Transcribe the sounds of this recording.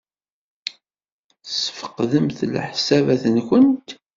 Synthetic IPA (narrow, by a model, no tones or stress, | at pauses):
səfə̥qðəmθlħsævæθənkənt̪